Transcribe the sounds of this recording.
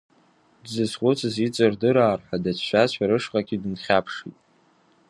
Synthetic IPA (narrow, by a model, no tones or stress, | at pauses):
dzɨzχʷʼʊt͡sʰʼɨzit͡sʼɨrdɨɾaːrħʷadat͡ʃʰʃʷᶣaaɾɨʂqʼaɡʲidɨnχʲapʰʂḭtʼ